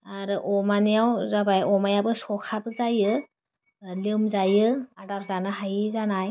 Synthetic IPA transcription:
aɾɯʔɔmanijawzabajɔmajabɯsɔkʰabɯzajɯ | limzajɯadaɾzanaɦajzanaj

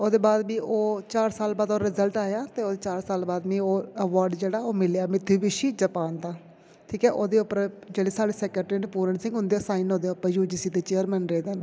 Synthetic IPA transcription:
oːd̪eːbaːd̪biːʔoːt͡ʃaːɾsaːlbaːd̪oːɾɪzəlʈaːjaːt̪eːoːd̪eːt͡ʃaːɾsaːlbaːd̪bĩːoːəʋaːɾɖd͡ʒeːɽaːoːmɪlejaːmɪt̪ʰːuːʋɪʃiːd͡ʒəpaːnd̪aː | ʈʰiːkɛːʔoːd̪eːʊpːəɾd͡ʒeːɽeːsaːɽeːsɛːkəʈɾiːneːpuːɾəɳsɪ̃ŋɡɦʊnd̪eːsaːɪnɦõːd̪eːʊpːəɾjuːɖiːsiːt̪eːt͡ʃeːəɾmɛːnɾeːd̪eːnː

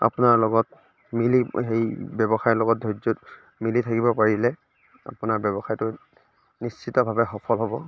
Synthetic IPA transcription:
a̰pʊnaɹlɔɡɔt | miliɦejbɛbɔxajlɔɡɔt̚dʱɔd͡ʒɔt | militʰakibɔpaɹilɛ | a̰pʊnaɹbɔbɔxajtʊ | nist͡ʃitɔbʱabɛxɔpʰɔlɦɔbɔ

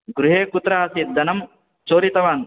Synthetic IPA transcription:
ɡɾuɦeːkut̪ːɾaɦɐsit̪̚d̪ɐnɐm | t͡ʃoːɾit̪ɐʋaːn

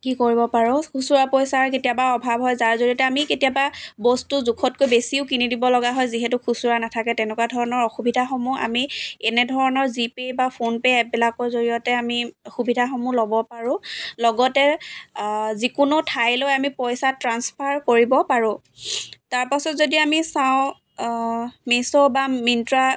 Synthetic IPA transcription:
kikoɹibɔpaɹʊ̃kʰusuɹapɔjsaɹketijabaɔbʱabɦɔjzaɹzoɹiɔtɛamiketijababɔstuzukʰɔt̚kojbesiʊkinidibɔlɔɡaɦɔjziɦɛtʊxʰusuɹanatʰakɛtɛnɛkwadʱɔɹɔnɔɹɔxubidʱaxɔmua̰miɛnɛdʱɔɹɔnɔɹzipejbapʰonpeɛbilakɔɹzoɹijɔtɛamixubidʱaxɔmulɔbɔpaɹʊ̃lɔɡɔtɛ | zikʊnʊtʰajlojamipɔjsatɹanspʰaɹkoɹibɔpaɹʊ̃ | taɹpasɔtzodiamisaʊ̃ | misɔbamintɹa

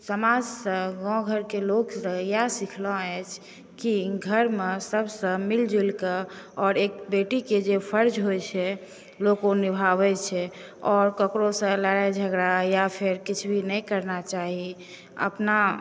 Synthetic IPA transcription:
səmad͡ʒsə̃ɡɔ̃ɡʱəɾkeloksə̃jasikʰlɔ̃ɛt͡ʃʰ | kiɡʱəɾmesəbsə̃mild͡ʒilkəɔːɾek̚beʈiked͡ʒepʰəɾd͡ʒɦojt͡ʃʰɛ | lokonibʱaβɛt͡ʃʰɛ | ɔɾkəkɾosə̃ləɾajd͡ʒʱəɡɾajapʰeɾkit͡ʃʰbʱinɛjkəɾnat͡ʃaɦi | ə̰pna

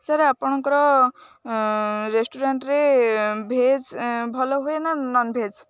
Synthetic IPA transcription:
saɾapɔɽ̃ɔŋkɔɾɔ | ɾesʈuɾeɳʈɾebʱed͡zbʱɔlɔɦuenanɔnbʱed͡z

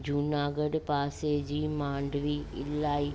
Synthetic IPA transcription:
d͡ʑuːnaːɡəɽpaːsed͡ʑiːmãːɳɖʋiɪ̰laːi

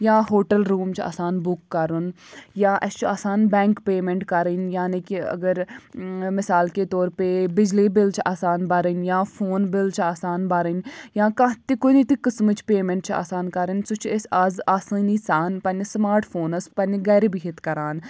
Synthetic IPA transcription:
jãːɦoːʈəlɾuːmt͡ʃʰa̰ːsaːnbʊkːɐɾunjãːʔɐst͡ʃʰaːsaːnbɛːŋkpeːmeɳʈkɐɾinjaːnikiɐ̰ɡəɾ | mɪsaːlket̪oːɾpebɪd͡ʒlibɪlt͡ʃʰaːsaːnbɐɾənʲjãːfʰoːnbɪlt͡ʃʰaːsaːnbɐɾənjãːkãt̪ikonit̪ikəsmɨt͡ʃʰpeːmẽɳʈt͡ʃʰa̰ːsaːnkɐɾənʲsut͡ʃʰesʲazaːsəːnisaːnpɐnismaːɾʈfʰoːnɐspɐniɡɐɾibiɦit̪kɐɾaːn

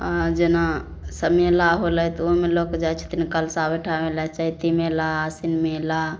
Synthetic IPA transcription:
ad͡ʒena | səmelaɦolɛt̪oɦmelokd͡ʒat͡ʃʰi̥t̪inkəlsabeʈʰamelat͡ʃait̪imelaːsinmela

